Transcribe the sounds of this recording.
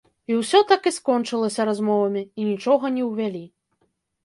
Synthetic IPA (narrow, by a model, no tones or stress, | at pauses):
iwsʲɔt̪akiskɔnt͡ʂɨlˠɐsʲɐɾazmɔvɐmʲiːnʲit͡ʂɔɣɐnʲɛwvʲalʲi